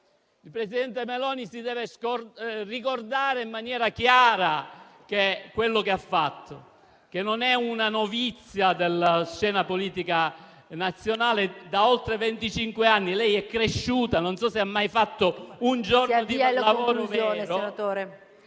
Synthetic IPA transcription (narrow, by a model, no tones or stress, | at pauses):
ilpɾesid̪ɛnt̪emelɔːnisid̪ɛːveskrikord̪aːɾeimːanjɛːɾakjaːɾak̟ekːwelːokeafːat̪ʰːo | k̟enːonɛunanovit̪sːjad̪elːaʃt͡ʃːɛːnapoliːt̪ika | nat̪sːjonaːled̪aolt̪ɾevent̪it͡ʃiŋkweanːilɛjɛkːɾeʃːuːt̪anonsɔseamːajfat̪ːound͡ʒornod̪ilavoːɾovɛonɾonat̪oːɾe